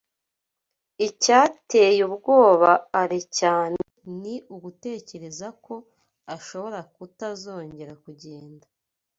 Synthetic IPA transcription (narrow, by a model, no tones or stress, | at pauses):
icaːte̞jubɡo̞ːβaːɾecaːneniuɡute̞ːce̞ɾe̞zako̞ | aʃo̞βo̞ɾakutazo̞ːɲɟe̞ɾakuɟe̞ːnda